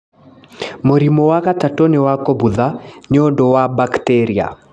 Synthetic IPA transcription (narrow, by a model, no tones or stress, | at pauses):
moɾimowakatatonɛwakobuðaɲodowabakteɾia̰